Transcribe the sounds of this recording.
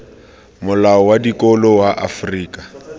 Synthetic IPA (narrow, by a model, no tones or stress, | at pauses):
mʊlaɔwadikʼɔlɔwaʔa̰friːkʼa